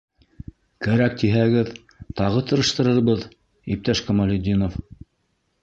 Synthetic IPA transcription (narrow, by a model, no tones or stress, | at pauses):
kæɾæk̚t̪iɦæɡɘð | t̪ɑʁɤt̪ɤ̆ɾɤ̆ʃt̪ɤ̆ɾɤɾβɤð | ip̚t̪æʃkɐmalʲɪd̪ʲːinof